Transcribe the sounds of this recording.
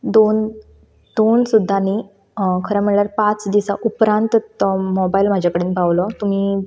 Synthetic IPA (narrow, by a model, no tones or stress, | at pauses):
d̪on | d̪̥onsud̪ʱːani | kʰəɾamiɭljaɾpat͡sd̪isaʔupɾãnt̪mɔbailm̤ad͡ʑʱakəɽiːnbʱaʋlɔt̪um̤iː